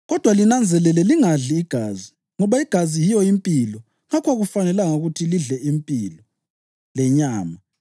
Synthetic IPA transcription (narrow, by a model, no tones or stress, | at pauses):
ɣɔd̥ʱwalinand͡zʱɛlɛlɛliŋaɮiːɡ̥ʱazi | ŋɔβaiɡ̥ʱazijijɔimpʼilɔ | ŋakʰwaɣufanɛlaŋauɣutʰiliɮɛʔimpʼilɔ | lɛɲaːma